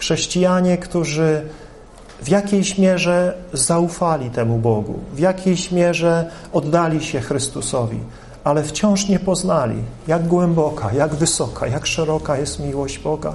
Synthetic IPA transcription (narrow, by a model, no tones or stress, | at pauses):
xʂɛɕt͡ɕijaɲɛkt̪uʐɘ | vjakʲejɕmʲjɛʐɛzaufalʲit̪ɛmubɔɡṵvʲjakʲejɕmʲjɛʐɛ | ɔd̪ːalʲiɕɛxɾɘst̪usɔvʲḭ | alɛft͡ɕɔ̃w̃ʂɲɛpɔznalʲḭjaɡɡwɛmbɔkʰajaɡvɘsɔkʰa̰jakʂɛɾɔkajɛst̪mʲiwɔʑd͡ʑbɔɡa̰